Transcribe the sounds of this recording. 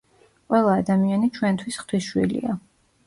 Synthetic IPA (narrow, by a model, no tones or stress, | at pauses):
qʼwɛlˠaːd̪amianit͡ʃʰwɛnt̪ʰwisχt̪ʰwiʃwḭlḭa